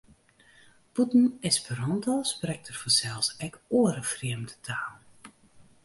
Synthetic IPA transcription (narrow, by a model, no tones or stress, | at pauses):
putn̩ɪspəɾɔntɔsprɛk̚tərfɔsɛlˠsɛkoəɾəfriəmdətʰaːlˠ